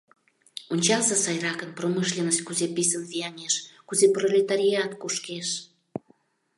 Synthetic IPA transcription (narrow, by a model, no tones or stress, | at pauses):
onʲt͡ɕɑlsɑsɑjrɑkənproməʃlʲenəst̪̚ʲkuzepisənviɑnʲeʃkuzeprolʲet̪aɾʲiɑt̪kuʃkeʃ